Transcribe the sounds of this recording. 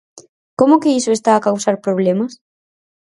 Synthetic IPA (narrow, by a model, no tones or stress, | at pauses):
komʊkɪisʊest̪aːkawsaɾpɾoβ̞lemɐs